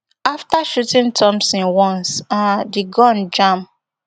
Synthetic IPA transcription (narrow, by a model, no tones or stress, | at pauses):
aftaʃutĩntʰɔ̃msĩnwɔ̃nsãdiɡɔ̃nd͡ʒãm